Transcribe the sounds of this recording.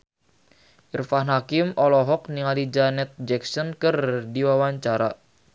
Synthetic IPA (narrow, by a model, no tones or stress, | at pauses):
ʔirfahnɦakɪmɔlɔɦɔk̚niŋalid͡ʒanɛt̪̚d͡ʒɛksɔnkɨrdiwawaɲt͡ʃaɾa